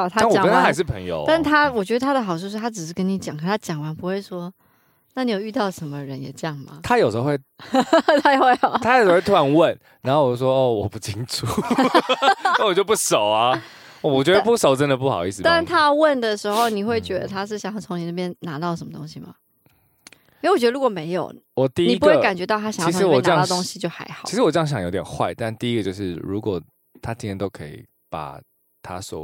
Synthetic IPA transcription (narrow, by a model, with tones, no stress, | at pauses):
t̪ʰa˥˨wɔ˨kə˦nt̪ʰa˥a˧˦ʂɻ̩˥˩pʰə̰˧˦ŋjo̰˧ʊt̪a˥˩˥t̪ʰa˥wɔ˨˩t͡ɕɥɛ˧˥d̪ə˧t̪ʰa˥d̪ə˨˩xɑ˨˩ʊt͡sʰu˥˧ʂ̬̩ʰ˥˩a˥ʈ͡ʂɻ̩˨˩ʂɻ̩˥˩kə˦˥ni˧˥t͡ɕjɑ˨˩ŋkʰə˥n˥t̪ʰa˥t͡ɕjɑ˨˩ŋwa˧˥npu˧˥xwe˥˩ɪʂwɔ˥ | na˥˩ni˨˥jo˨˩y˥˧t̪ɑ˥˩ʊʂə˧˥nmə˧ɻə˧˦njɛ̰˨˩t͡ɕə˧jɑ˥˩ŋmɐ̰˨˩t̪ʰa˦jo˨ʊʂə˧˥xo˧xwe˥˩ | t̪ʰa˥˧we˥˩ɪxɑ˨˩˦t̪ʰa˥jʂwe˥˩t̪ʰu˥a˧˦nwə˥˨n | ɻa˧˦xo˥˩wɔ˨˩t͡ɕo˥˩ʂwɔ˥ɔ˥˩wɔ˨˩pu˥˩t͡ɕʰi˦ŋʈ͡ʂu˨˩ | a˥˩wɔ˨˩t͡ɕjo˥˧p̬u˥˩ʂo˨˩ʊɐ˦˥˩ | wɔ˨˩t͡ɕɥɛ˧˥ə˧pu˥˩so˨ʊʈ͡ʂə˦nd̪ə˨pu˥˩xɑ˨˩ʊi˥˩s̩˨˩t̪a˥˧nt̪ʰa˦wə˥˩nd̪ə˨ʂɻ̩˧˥xo˥˨˩ʊni˨˩xwe˥˩ɪt͡ɕɥɛ˧˥d̪ə̰˧t̪ʰa˥ʂ̬ɻ̩˥˩ɕjŋjɑ˥˩t͡sʰo˧˥ŋni˨˩na˥˩bjɛ˥nna˧˥t̪ɑ˥˩ʊʂə˨˧˦mə˦t̪o˥ŋɕi˧mɐ̰˩ | i˥˩wɔ˨˩ɥɛ˧˥d̪ɻu˧˥kwɔ˨˩me˧˥ɪjo̰˨˩ʊwɔ˨˩t̪i˥˨ni˨i˦pu˦ɡwe˥˩ka˨˩nt͡ɕɥɛ˧˥t̪̬ɑ˥˩ʊa˥ɕj̩˥˨˧wɔ˨ə˥ɑ˥ɑ˥˩t̪o˥ŋɕi˧t͡ɕjo˥˩ʊxa̰˧˥ɪxɑ˨i˧˥ʂɻ̩˧wɔ˨˩ʈ͡ʂjɑ˥ŋɕjŋjo˧˥ʊt̪jnxwa˥˧ɪt̪a˥˧nt̪i˥˩i˦˥ɡə˧t͡ɕjo˧ʂɻ̩˥˩ɻu˧˦˥kwɔ˨˩ | t̪ʰa˦t͡ɕi˥nt̪ʰjɛ˥nt̪o˥ʊkʰɤ˧˥ḭ˨˩ | pa̰˨˩ | t̪ʰa˦swɔ̰˨˩